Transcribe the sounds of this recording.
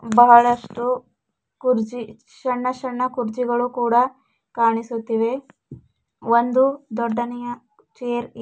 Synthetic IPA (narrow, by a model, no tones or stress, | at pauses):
bɐɦɐɭɐʂʈu | kuɾd͡ʒi | t͡ʃɐɳːɐt͡ʃɐɳːɐkuɾt͡ʃiɡɐɭukuːɽɐ | kaːɳisut̪ːiʋe̞ | ond̪ud̪ɔɖːɐnɛjɐ | t͡ʃeːɾ